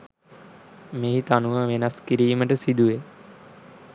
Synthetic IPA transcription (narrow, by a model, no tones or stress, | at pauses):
meːɦit̪anuʋəʋenaskiɾiːməʈəsid̪uʋe